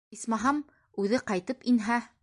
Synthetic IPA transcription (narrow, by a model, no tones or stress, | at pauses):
ismɑɦɑm | ʉðɘqɑjt̪ɤpinɦæ